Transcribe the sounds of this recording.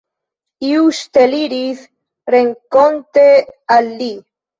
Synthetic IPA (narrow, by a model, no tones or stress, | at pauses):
iust̪eliɾiθ | reŋkont̪ealːi